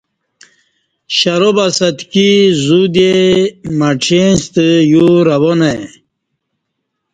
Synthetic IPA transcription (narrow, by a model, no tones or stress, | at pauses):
ɕaɾobasɐt̪kizud̪emaʈ͡ʂʰenst̪əjuɾɐbone